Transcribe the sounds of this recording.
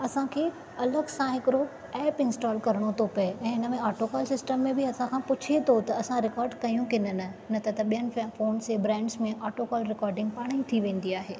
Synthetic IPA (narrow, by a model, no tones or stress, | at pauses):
ɐsãkʰeː | ɐləɡsãɦɪkɪɾo | ɛːpɪ̃nsʈaːlkɐɾəɽ̃ot̪ʰopɐeɛ̃ːɦɪnəmẽaːʈokaːlsɪsʈəmːẽbɪɐsãkʰãpʊt͡ɕʰet̪ʰot̪ɐɐsãɾɪkɔːɾɖkɐjũkɪnənɐnɐt̪ʰɐt̪ɐɓijənɪ̆foːnsebɾɛ̃ːɳɖsmẽʔaːʈokaːlɾɪkɔːɾɖɪ̃ŋɡpaːɽ̃it̪ʰiʋẽːn̆d̪iaːɦeː